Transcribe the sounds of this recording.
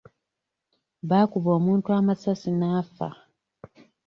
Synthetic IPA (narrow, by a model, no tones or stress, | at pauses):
βaːkuβo̞ːmuːntuamasasinaːfa̰